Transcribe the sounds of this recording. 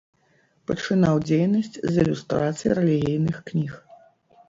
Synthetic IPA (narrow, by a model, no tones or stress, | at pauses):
pɐt͡ʂɨn̪awd͡zʲejnɐsʲt͡sʲzilʲust̪ɾat̪sɨjḭɾɛlʲiɣʲijnɨxknʲix